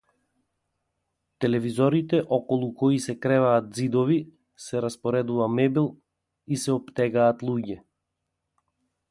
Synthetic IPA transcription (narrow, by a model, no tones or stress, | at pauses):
t̪ɛlɛvizɔɾit̪ɛʔɔkɔlˠukɔisɛkɾɛvaːt̪̚zid̪ɔvi | sɛɾaspɔɾɛd̪uvamɛbilˠ | isɛɔpt̪ɛɡaːt̪lˠuɟɛ